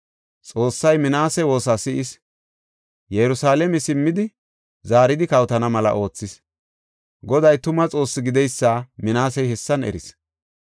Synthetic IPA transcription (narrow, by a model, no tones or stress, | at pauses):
t͡sʼo̞ːsːɐjmɪnaːsɛwo̞ːsasɪʔɪs | jɛɾʊsaːlɛmɛsɪmːɪd̪ɪ | zaːɾɪd̪ɪkɐwt̪ɐnɐmɐlɐ̰ʔo̞ːt͡sːɪs | ɡɔd̪ɐjt̪ʊmɐt͡sʼo̞ːsːɪɡɪd̪ɛjsːaːmɪnaːsɛjhɛsːɐnɛ̰ɾɪ̰s